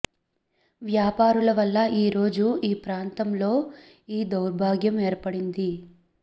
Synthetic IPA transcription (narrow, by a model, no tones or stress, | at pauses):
ʋjaːpaːɾulɐʋɐlːɐiːɾo̞ːd͡ʒuiːpɾaːnt̪ɐmlo̞ː | iːd̪ɐwɾbʱaːɡjɐmeːɾpɐɽind̪i